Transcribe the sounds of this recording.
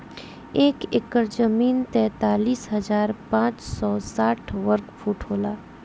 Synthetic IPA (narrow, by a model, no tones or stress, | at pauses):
eːkɪkːəɾd͡ʒəmiːnt̪ɛ̃ːt̪aːliːsɦɐzaːɾpãːt͡ʃsɔːsaːʈʰʋəɾkfʰuːʈɦoːlaː